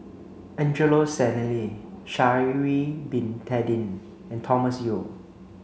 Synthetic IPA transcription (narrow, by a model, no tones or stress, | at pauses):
ɛ̃nd͡ʒəlosɛnɛliʃaɹibĩntʰɛdĩn | ɛ̃ntʰɔməsjo